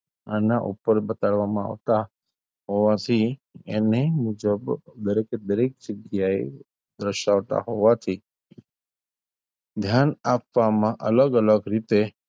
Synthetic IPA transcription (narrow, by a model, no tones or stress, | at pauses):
anaʔṵpəɾbət̪aɭʋamãa̰ʋt̪a | ɦoʋat̪ʰiḛnemud͡ʒəbd̪əɾekd̪əɾek̚sɪɡ̪jae | d̪ɾəʃaʋt̪a̰ɦoʋat̪ʰi | d̪ʱjanap̚ʋamãʔələɡələɡɾit̪e